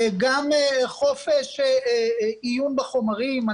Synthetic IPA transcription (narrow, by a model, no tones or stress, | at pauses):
ɡameχo̞feʃ | ijunbeχomaʁima